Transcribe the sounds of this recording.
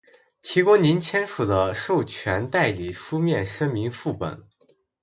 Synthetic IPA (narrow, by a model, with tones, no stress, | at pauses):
t͡ɕʰi˧˥kʊ˥ŋni˧˥nt͡ɕʰjɛ˥nʂu˨˩d̪ə˦ʂo˥˩ʊt͡ɕʰɥɛ˧˥nt̪a˥˩ɪli˨˩fu˥mjɛ˥˩nʂɤ˥ŋmi˧˥ŋfu˥˩pə̰˨˩˦n